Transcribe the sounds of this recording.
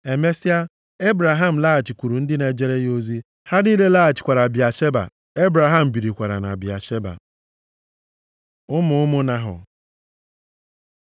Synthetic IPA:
e˨me˦si˦a˦ | e˦bɾa˨ɦa˦m̩˨la˦a˨t͡ʃi˨kʷu˨ɾu˨n̩˦dɪ˦ne˨d͡ʒe˦ɾe˦jo˦zi˦ | ha˦ni˦le˦la˦a˨t͡ʃɪ̥˨kʷa˨ɾa˨bi˨a˨ʃe˦ba̰˨ | e˦bɾa˨ɦa˦m̩˨bi˨ɾi˨kʷa˨ɾa̰˨na̰˨bi˨a̰˨ʃe˦ba̰˨ | ʊ˦mʊ˨ʊ˦mʊ˦na˦ɦʊ̰˨

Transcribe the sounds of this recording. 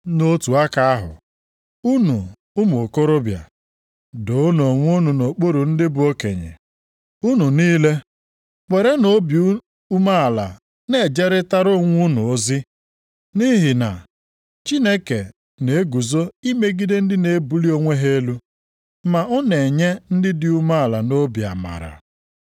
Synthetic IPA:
no˦tu˨a˦ka˦a˦ɦʊ̰˨ | u˦nṵ˨ | ʊ˦m˨o˨ko˦ɾʊ˦bja̰˨ | do˨ʊ˦n˨o˨ŋʷʊ˦nu˨no˨k͡po˦ɾu˨n̩˦dɪ˦bu˦o˦kḛ˨ɲḛ˨ | u˦nu˨niː˦le˦ | k͡pe˨ɾe˦no˨˦bj | u˦ma˦a˨la̰˨ | ne˦˨d͡ʒe˦ɾɪ˦ta˦ɾʊ˦ŋʷu˦nʊ˨o˦zɪ˦ | ni˦ɦɪ˨na̰˨ | t͡ʃi˦ne˦ke˨ | ne˨˦ɡu˨zo˦i˦me˦ɡi˦de˦n̩˦dɪ˦ne˨˦bu˨li˦o˦ŋʷe˦ɦe˦e˦lu˦ | ma˨ʊ˦ne˨ɲe˦n̩˦dɪ˦dɪ˨u˦ma˦a˨la˨no˦bja̰˨ma̰˨ɾa̰˨

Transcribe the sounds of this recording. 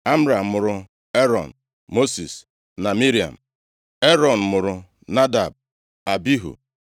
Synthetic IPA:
a˦m̩˦ɾa˨m̩˨mʊ˨ɾʊ˨ | e˦ɾɔ̰˨n̩˨ | mo˦si˨s | na˨mi˦ɾi˨a̰˨m̩˨ | e˦ɾɔ˨n̩˨mʊ˨ɾʊ˨ | na˦da̰˨b̚ | a˨bi˦ɦṵ˨

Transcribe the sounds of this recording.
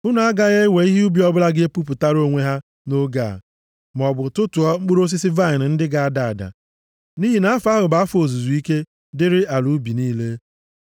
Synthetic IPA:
ʊ˦na˨a˦ɡa˦ɣe˦we˨i˦ɦi˦u˦bi˨˦ɔ˦bʊ˦la˦ɡe˦pu˦pʊ˨ta˦ɾo˦˨ŋʷe˦ɦa˦ | no˦ɡa̰˨ | m˨ɔ˨bʊ˨tʊ˦tu˨ɔ˦ŋ͡m̩˦k͡pu˦ɾo˦s̬ɪ˦sɪ˦va˦ɪ˨n̩˨n̩˦dɪ˦ɡa˨a˦˨da˨a˨da̰˨ | ni˦ɦi˨na˦a˦fa˦ɦʊ˨ba˨˦a˦fo˨zu˨zu˨i˦ke˦ | dɪ˦ɾɪ˦ʔa˨lu˨˦bi˨niː˦le˦

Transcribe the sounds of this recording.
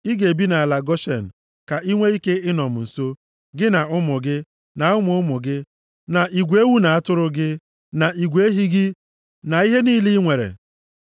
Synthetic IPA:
i˦ɡe˨bi˦na˨la˨ɡɔ˦ʃe˨n̩˨ | ka˨ʔi˦ŋʷe˦i˦ke˦ɪ˦nɔ˨m̩˨n̩˨so˦ | ɡɪ˦na˨ʊ˦mʊ˨ɡɪ˦ | na˨ʊ˦mʊ˨ʊ˦mʊ˨ɡɪ˦ | na˨i˨ɡʷe˦wu˦na˨a˦tʊ˦ɾʊ˦ɡɪ˦ | na˨i˨ɡʷe˦ɦi˦ɡɪ˦ | na˨i˦ɦe˦niː˦li˦ŋʷe˨ɾḛ˨

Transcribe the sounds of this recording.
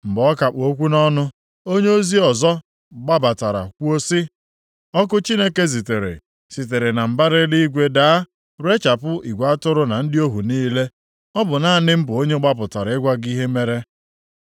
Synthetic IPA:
m̩˨bɔ˦ka˨k͡po˦kʷu˦nɔ˦nʊ˦ | o˦ɲe˦o˦zi˦ɔ˨zɔ˦ | ɡ͡ba˦ba˨ta˨ɾa̰˨kʷu˦o˦sɪ˦ | ɔ˦kʊ˦t͡ʃi˦ne˦ke˦s̬i˨te˨ɾḛ˨ | si˨t̬e˨ɾe˨na˨m̩˨ba˦ɾɪ˦li˦i˦ɡʷe˦da˨a˦ | ɾʊ˦e˦t͡ʃa˨pʊ˦i˨ɡʷa˦tʊ˦ɾʊ˦na˨n̩˦dɪ˦o˦ɦu˨niː˦le˦ | ɔ˦bʊ˨na˦˨nɪ˦m̩˦bʊ˨o˦ɲe˦ɡ͡ba˦pʊ˨ta˨ɾa˨ɪ˦ɡʷa˦ɡi˦ɦe˦me˦ɾe˦

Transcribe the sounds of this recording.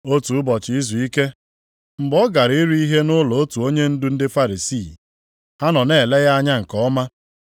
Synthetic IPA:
o˦tu˨ʊ˦bɔ˨t͡ʃɪ˨i˦zu˨i˦ke˦ | m̩˨bɔ˦ɡa˨ɾi˦ɾu˦i˦ɦe˦nʊ˦lɔ˨o˦tu˨o˦ɲe˦n̩˦dʊ˦n̩˦dɪ˦fa˦ɾi˨si˦˨ | ha˦nɔ˨ne˨le˦ɣa˦a˦ɲa˦ŋ̩˨kɔ˦ma˦

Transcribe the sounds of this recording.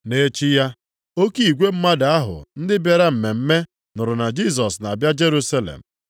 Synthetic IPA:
ne˦t͡ʃi˦ja˦ | o˦ki˦i˨ɡʷe˦m̩˦ma˦da˨a˦ɦʊ̰˨n̩˦dɪ˦be˦ɾa˦m̩˨me˨m̩˦me˦ | nʊ˨ɾʊ˨na˨d͡ʒi˦s̬ɔ˨sna˨a˨bja˦d͡ʒe˦ɾu˦sa˦lḛ˨m̩˨

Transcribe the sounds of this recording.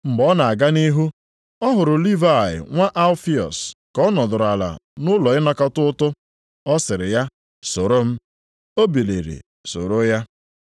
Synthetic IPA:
m̩˨bɔ˦na˨a˨ɡa˦ni˦ɦu˦ | ɔ˦ɦʊ˨ɾʊ˨li˦va˨ɪ̰˨ŋʷa˦ʔa˦lfi˦ɔ̰˨skɔ˦nɔ˨dʊ˨ɾʊ˨a˨la̰˨nʊ˦lɔ˨ɪ˦nɔ˦ka˦tʊ˦ʊ˦tʊ˦ | ɔ˦sɪ˨ɾɪ˨ja˦ | so˨ɾo˦m̩˦ | o˦bi˨lḛ˨ɾḭ˨ | so̰˨ɾo˦ja˦

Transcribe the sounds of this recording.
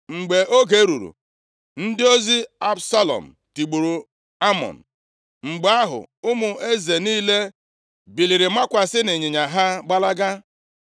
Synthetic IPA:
ŋ͡m̩˨ɡ͡be˨ʔo˦ɡe˨˦ɾṵ˨ɾṵ˨ | n̩˦dɪ˦o˦zi˦a˦bsa˦lɔ̰˨m̩˨ti˨ɡ͡bu˨ɾu˨ | a˦mɔ̰˨n̩˨ | ŋ͡m̩˨ɡ͡ba˦ɦʊ̰˨ʊ˦mʊ˨ʔe˦ze˨niː˦le˦ | bi˨li˨ɾɪ˨ma˦kʷa˨sɪ˦nɪ˨ɲɪ˨ɲa˨ɦa˦ɡ͡ba˦la˦ɡa˦

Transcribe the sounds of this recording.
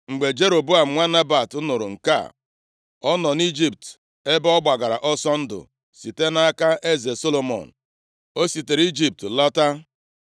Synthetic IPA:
ŋ͡m̩˨ɡ͡be˨d͡ʒe˦ɾo˨bu˦a˨m̩˦ŋʷa˦na˦ba˨tʊ˦nʊ˨ɾʊ˨ŋ̩˨ka̰˦˨ | ɔ˦nɔ˨ni˦d͡ʒi˦p̚t | e˦bɔ˦ɡ͡ba˨ɡa˨ɾa̰˨ʔɔ˦sɔ˦n̩˦dʊ̰˨ | si˨te˦na˦ka˦ʔe˦ze˨so˦lo˨mɔ̰˨n̩˨ | o˦si˨te˨ɾi˦d͡ʒi˦p̚tlɔ˦ta˦

